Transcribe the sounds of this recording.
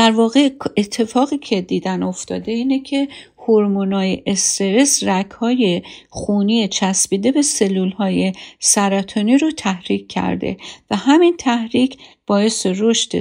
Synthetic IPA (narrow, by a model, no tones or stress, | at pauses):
d̪̥æɾvɒːɣe̞et̪ʰːe̞fɒːɣiːcʰe̞d̪iːd̪æno̞ft̪ɒ̰ːd̪e̞iːnecʰe̞ | hoɾmonɒːjeʔest̪e̞ɾe̞srækʰhɒːje̞χuːniːet͡ʃʰæsbiːd̪e̞bese̞lːuːlhɒːje̞sæɾɒːt̪ʰoniːɾot̪ʰæhɾiːcʰːæ̰ɾd̪ḛvæhæmint̪ʰæhɾiːcʰb̥ɒːje̞seroʃt̪e